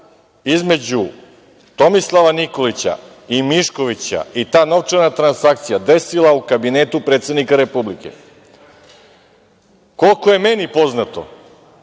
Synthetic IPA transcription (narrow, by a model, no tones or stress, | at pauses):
izme̞d͡ʑu | t̪o̞mislˠaʋaniko̞lit͡ɕa̰ | imiʃko̞ʋit͡ɕa̰it̪aːno̞ʋt͡ʂaɾnat̪ɾansakt̪sijad̪e̞silˠaukabineːt̪upɾeːt̪sed̪nikaɾe̞publike̞̰ | ko̞lˠkoje̞menipo̞znat̪o̞̰